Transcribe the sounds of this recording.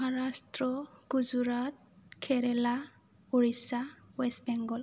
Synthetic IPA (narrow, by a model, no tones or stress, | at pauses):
mɔɦaɹastɹɔɡ̥uzuɹat̚kʰɛɾɛla | uɹisawɛsbɛŋɡɔl